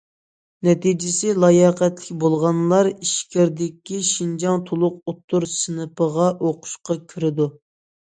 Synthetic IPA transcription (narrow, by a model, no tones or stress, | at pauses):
nɛt̪id͡ʒɪsɪlˠɑjɑqɛt̪lɪkʲbolˠʁɑnlˠɑɾiʃkʲɪɾd̪ɪkʲːiʃind͡ʒɑŋt̪ʰolˠʊq̚ot̪ʰːuɾsɨnɨpəʁɑʔoqʰʊ̥ʃqɑkʲʰyɾɪd̪u